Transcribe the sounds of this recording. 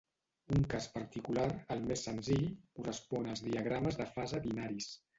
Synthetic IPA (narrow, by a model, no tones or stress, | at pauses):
uŋkaspəɾt̪ikulaɾəlˠmesːənziʎkurəspɔnəlˠzðiəɣɾaməzðəfazəðinaɾis